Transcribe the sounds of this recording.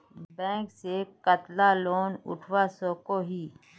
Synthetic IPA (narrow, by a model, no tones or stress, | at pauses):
bɛ̃ːŋksekət̪laloːnʊ̰ʈʰwasoːkoɦiː